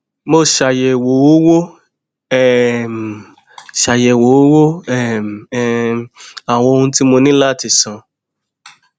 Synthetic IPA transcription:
mo˦˨ʃa˨jɛ˨wo˨˦wo˦wo˦ | ɛ˦˨m˨ | ʃa˨jɛ˨wo˨˦wo˦wo˦ɛ˦˨m˨˦ | a˨w̃ɔ̃˧o˧ũ˧˦ti˦mo˧nĩ˦la˦˨ti˨sã˨

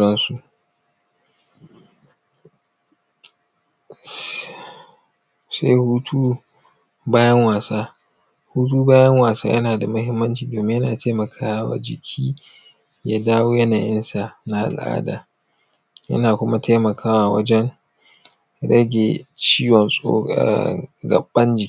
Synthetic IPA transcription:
ɽɐ˦nsu˨ʔ | sa˦jhuː˦tʰuː˦ | baː˦jɐ˦ŋwaː˨saː˦ | huː˦t̬uː˦baː˦jɐ˦ŋwaː˨sa̰ː˦jʔɐ̰˦naː˨da˨mʊ˦hɪ˦mːɐ˦nt͡ʃiː˨doː˨mɪ˦ɲjɐ˦naː˨tʰaː˦mɐ˨kʰaː˦wa̰ː˨d͡ʒɪ˨kʲʰiː˦ | jaː˦daː˦woː˦jɐ˦naː˨jɪ˦nsa˨na˦ʔa̰˨lʔa̰ː˦da̰ː˨ | jɐ̰˦naː˨kʷʊ˦ma˦tʰa˦mɐ˨kʰaː˦waː˨wɐ̰˦d͡ʒɛ˦ŋ | ɽɐ˦ɡʲe˨t͡ʃiː˦wɔ˨nsʼo̰ː˦kʼa̰˦˨ɡɐ̰˨bːɐ˦nd͡ʒɪ˨k

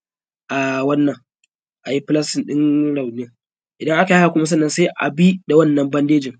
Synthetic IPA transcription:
ʔa˨wɐ˦nːɐ˨ŋ | ʔa˨ji˦pɪ˦lɐ˦sɪ˨nɗɪ˦nɽa˨wneː˦ | ʔɪ˨dɐ˦ŋʔa˦ka˨˦a˨kʷʊ˦mɐ˦s̬ɐ˦nːɐ˨nsa˦ʔa̰˨bi˦da˨wɐ˦nːɐ˨mbɐ˦ndeː˦d͡ʒɪ˨ŋ

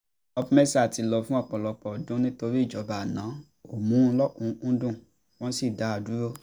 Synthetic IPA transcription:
ɔ˧bmɛ˦sa˦˨ti˨˧lɔ˧fũ˦ɔ˦˧˨k͡pɔ˨lɔ˧k͡pɔ˨dũ˨˦nĩ˦to˧ɾi˦˨d͡ʒɔ˨˦ba˨nãː˨˦ | o˨mũ˨˦˧lɔ˦ũ˧ñ̩˦dũ˦˨ | w̃ɔ̃˦si˦˨da˨˦a˧˨du˨˦ɾo˦

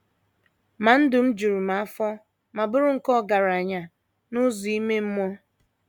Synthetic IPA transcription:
ma˨n̩˦dʊ˨m̩˦d͡ʒu˨ɾu˨ma˨a˦fɔ˦ | ma˨bʊ˦ɾʊ˦ŋ̩˨kɔ˦˨ɡa˨ɾa˨ɲa˨ | nʊ˦zu˨i˦me˦m̩˦mɔ˦

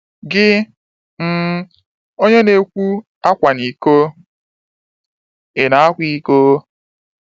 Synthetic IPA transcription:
ɡɪ˦ | m̩˨ | o˦ɲe˦ne˨kʷu˦ | a˦kʷa˨ni˨ko˦ | ɪ˨na˨a˦kʷi˦ko˦

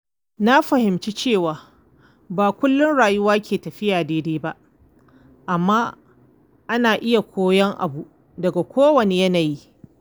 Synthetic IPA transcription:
na˦ɸɐ˨hɪ˨mt͡ʃi˦t͡ʃeː˦˨waː˨ | baː˨kʷʊ˦lːʊ˦nɽaː˨jʊ˦waː˦kʲʰeː˨tɐ˨ɸɪ˦jaː˨deː˦deː˦ba˦ʔ | ʔa˨mːaː˦ | ʔa˦naː˨ʔɪ˦ja˨kʷoː˦jɐ˦ŋʔa̰˨bu˨ʔ | dɐ˨ɡa˨kʷoː˦wɐ˨ne˨jɐ˦naː˨ji˦

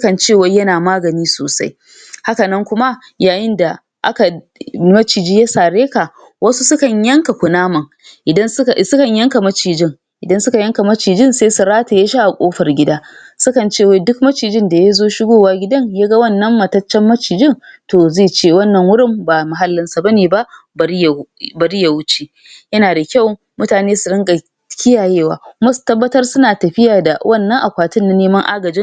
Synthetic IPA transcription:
skɐ˨nt͡ʃeː˦˨wa˦jɐ˦naː˨maː˦ɡɐ˨niː˦soː˨sa̰˦j | ha˦kɐ˨nɐ˦ŋkʷʊ˦ma˦ | jaː˨jɪ˦nda˨ | ʔa̰˦ka˨ | mɐ˦t͡ʃiː˨d͡ʒi˦ja˦saː˨ɽeː˦ka˨ | wɐ˦su˦sʊ˦kɐ˨ɲjɐ˦ŋka˨kʷʊ˨naː˦mɐ˨ŋ | ʔɪ˨dɐ˦n˦˨sʊ˦kɐ˨ɲjɐ˦ŋka˨mɐ˦t͡ʃiː˨d͡ʒɪ˦˨ŋ | ʔɪ˨dɐ˦nsʊ˦ka˨jɐ˦ŋka˨mɐ˦t͡ʃiː˨d͡ʒɪ˦nseː˦su˨ɾaː˦ta˨ja˦ʃa˦ʔa˨kʷʼoː˦ɸɐ˨rɡʲɪ˦daː˦ | sʊ˦kɐ˨nt͡ʃeː˦˨wa˦dʊ˦k̚mɐ˦t͡ʃiː˨d͡ʒɪ˦nda˨ja˦zoː˦ʃɪ˦ɡʷoː˦˨waː˦ɡʲɪ˦dɐ˦ɲjaː˦ɡɐ˦wɐ˦˨nːɐ˦mːɐ˨tɐ˦t͡ʃːɛ˦mːɐ˦t͡ʃiː˨d͡ʒɪ˦˨ŋtoː˨zeː˦˨t͡ʃeː˦wɐ˦nːɐ˨ŋwʊ˦ɽɪ˦mbaː˨ma˨ɦa˦lːɪ˦nsa˨bɐ˦neː˨ba˦bbɐ˨ɾi˦ja˨wʊ˦t͡ʃeː˨ | jɐ˦naː˨da˨kʲa˦˨w | mʊ˦taː˨neː˦sʊ˨ɾɪ˦ŋɡʼɐ˨ | kʲʰɪ˦jaː˨jeː˦˨wa̰ː˨kʷʊ˦ma˦su̥˨tɐ˦bːɐ˦tɐ˦rsʊ˦naː˨tɐ˨ɸɪ˦jaː˨da˨wʔɐ˦˨nːɐ˦ŋʔa˨kʷaː˨tʊ˦nːa˨neː˦mɐ˦ŋʔa̰ː˦ɡɐ˨d͡ʒɪ˦

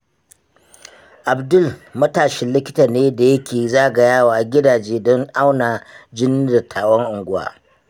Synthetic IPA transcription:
ʔa˨bdʊ˦˨lmɐ˦taː˨ʃɪ˦nlɪ˦kʲɪ˦taː˨neː˦da˨jɐ˦kʲʰeː˨zaː˦˨ɡa˨jaː˦waː˨ɡʲɪ˦daː˨d͡ʒeː˦dɔ˦ŋʔa˦wnaː˨d͡ʒɪ˦nːiː˦dɐ˨tʰaː˨wɔ˦ŋʔʊ˨ŋɡʷʊ˦wa̰ː˨

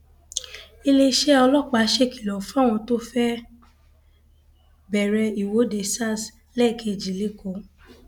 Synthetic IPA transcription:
i˧le˧ʃɛ˦ɔ˧lɔ˦˨k͡pa˨˦ʃe˦˨ki˨lɔ˨fɔ˦˨w̃ɔ̃˧to˦fɛ˦ | bɛ˨ɾɛ˧i˨wo˨˦de˧sa˦˨s | lɛ˦˨kʰe˧˨d͡ʒi˨le˦˨ko˨˦

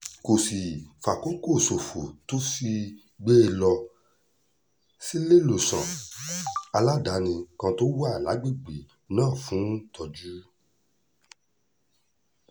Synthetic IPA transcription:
ko˨si˨fa˨ko˦ko˦˨so˨fo˨to˦si˦˧ | ɡ͡be˦e˧lɔ˧ | si˦le˦lo˨sã̰˨ | a˧la˦da˨˦nĩ˧kã˧to˦wa˦˨la̰˨˦ɡ͡bi˦˨ɡ͡bi˨ | nãː˦˨fũ˨˦tɔ˧d͡ʒu˦

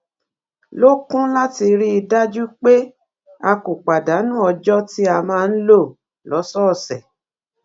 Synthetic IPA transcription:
lo˦kũ˦la˦ti˧ɾi˦i˧da˦d͡ʒu˦k͡pe˦ | a˧ku˨k͡pa˨da˨˦nũ˦ɔ˧d͡ʒɔ˦ti˦a˧mãː˦˧n̩˦lo˦˨ | lɔ˨˦sɔ˦˨sɛ˨

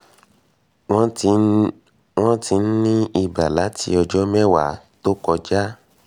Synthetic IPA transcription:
w̃ | w̃ɔ̃˦tʰi˧n̩˦nĩ˦i˧ba̰˨la˨˦tḭ˧˦ɔ˧d͡ʒɔ˦mɛ˦wa˨˦ | to˦kɔ˧d͡ʒa˦

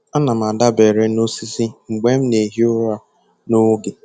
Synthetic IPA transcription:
a˦na˨m˨a˨da˦be˨ɾe˦no˦si˦si˦ŋ͡m̩˨ɡ͡be˦m̩˦ne˨ɦi˦ʊ˦a˦ | no˦ɡe˨

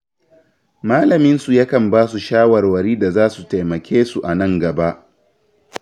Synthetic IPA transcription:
maː˦lɐ˨mɪ˦nsu˨ja˦kɐ˨mbaː˦su˨ʃaː˦wɐ˨rwɐ˨ɾiː˦da˨zaː˦su˨ta˨jmɐ˨kʲeː˦su˨ʔa˨nɐ˦ŋɡɐ˨ba˦ʔ

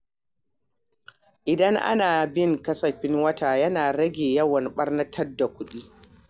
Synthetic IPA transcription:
ʔɪ˨dɐ˦ŋʔa̰˦naː˨bɪ˦ŋkɐ˦sɐ˨ɸɪ˦ŋwɐ˦taː˨jɐ˦naː˨ɽɐ˦ɡʲeː˨jɐ˦wɐ˨nɓɐ˦rnɐ˦tʰɐ˦rda˨kʷʊ˦ɗiː˦

